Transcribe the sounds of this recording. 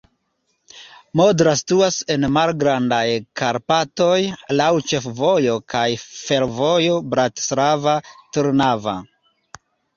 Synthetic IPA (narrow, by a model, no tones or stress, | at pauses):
mo̞dɾasi̥tuase̞nmalɡɾandajkaɾpato̞jlawt͡ʃe̞fvo̞jo̞kajfe̞ɾvo̞jo̞bɾatslavatuɾnava̰